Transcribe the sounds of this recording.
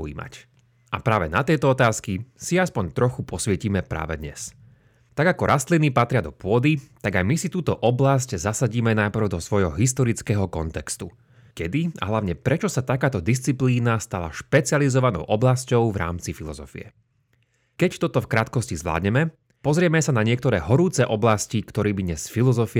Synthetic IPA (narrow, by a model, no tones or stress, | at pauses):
ḭːma̰c | a̰pɾaːʋɛnat̪ɛjt̪ɔɔt̪aːskisiaspɔɲt̪ɾɔxupɔsʋɛciːmɛpɾa̰ːʋɛd̪ɲɛ̰s | t̪aɡakɔɾʔast̪linipat̪ɾɪad̪ɔpʊɔd̪it̪aɡajmisit̪uːt̪ɔʔɔblasczasaɟiːmɛnajpɾ̩ʊd̪ɔsʋɔjɦɔɦist̪ɔɾit͡skɛːɦɔkɔnt̪ɛkst̪u | kɛd̪ia̰ɦlaʋʊɲɛpɾɛt͡ʃɔsat̪akaːt̪ɔd̪is̬t͡sipliːnast̪ala̰ʃpɛt͡sializɔʋanɔ̰ʊʔɔblascɔʊvɾa̰ːmt͡sifilɔzɔ̰fḭɛ̰ | kɛct̪ɔt̪ɔfkɾaːt̪kɔscizʋla̰ːd̪ɲɛmɛ | pɔzɾɪɛmɛsanaɲɪɛkt̪ɔɾɛːɦɔɾuːt͡sɛʔɔblascikt̪ɔɾiːbid̪ɲɛsfilɔzɔfi